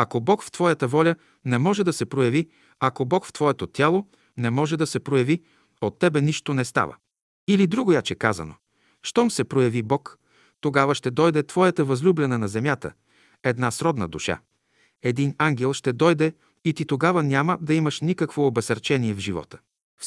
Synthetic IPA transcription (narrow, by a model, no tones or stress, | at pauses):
ɐkobɔkft̪vɔjət̪əvɔlʲə | nɛmɔʒɛd̪ɐsɛpɾojɐvi | ɐkobɔkft̪v̥ɔɛt̪ot̪ʲalˠo | nɛmɔʒɛd̪ɐsɛpɾojɐvi | ot̪ːɛbɛniʃt̪onɛst̪a̰və̰ | ilid̪ɾuɡojat͡ʃɛka̰zɐ̰no̰ | ʃt̪ɔmsɛpɾojɐvibɔk | t̪oɡavəʃt̪ɛd̪ɔjd̪ɛt̪vɔjət̪əvɐzlʲublʲɛnɛnɐzɛmʲjat̪ə̰ | ɛd̪nasɾɔd̪nə̰d̪uʃa̰ | ɛd̪inaŋɡ̟ʲɛlˠʃt̪ɛd̪ɔjd̪ɛ | it̪it̪oɡavənʲaməd̪ɐiməʃnikəkvoːbɛsɐɾt͡ʃɛniɛvʒivɔ̰t̪ə̥